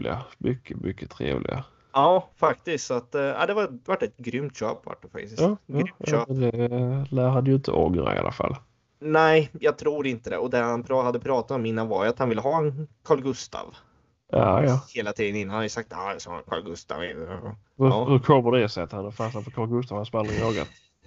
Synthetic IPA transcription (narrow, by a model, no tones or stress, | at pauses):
lɪ̰ɡamʏkʰːəmʔʏkːət̪ʰɾḛːvlɪ̰ɡa̰ | ɑːfak̚t̪ɪsktsat̪ːa̰ɪd̪ɛvavaʈːɛt̪ɡɾʏmt̪ɕø̰ːpva̰ʈːəfa̰k̚t̪ɪsjɑːɡɾːʏmt̪ʃøːd̪ɛlæɾhad̪əjʏɪnt̪ʰə̰ʔɔɡɾa̰ɪ̰a̰lʔafa̰l | nɛɪjɑːɡt̪ʰɾuːɾɪnt̪əd̪ɛ̰ʔɔd̪ɛhanpʰɾɑhad̪ːəpʰɾɑːt̪at̪ɔmɪnːanvaɾjʉat̪hanvɪlːəɦɑːɛnkʰɑːɭɡɵst̪ɑ̰v | ɑjɑheːlat̪ʰiːd̪ənɪnːanhaɾjəsak̚t̪ajasɔ̰ːkʰɑ̰ːɭɡɵst̪a̰vɪ̰ | ɑːhɵɾkʰɔbəɖɛsɛat̪had̪əfasapʰɔkʰɑːlɡɵst̪aːvhanspanːɪŋɑːɡa̰t̪